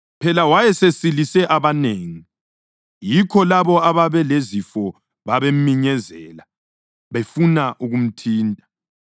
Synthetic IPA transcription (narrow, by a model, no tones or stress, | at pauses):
pʰɛlawajɛsesilisɛʔaβaneːŋi | jikʰɔlaβɔaβaβɛlezifɔ | βaβem̩miɲɛzɛ̰ːla | βefunaʔuɣum̩tʰiːntʼa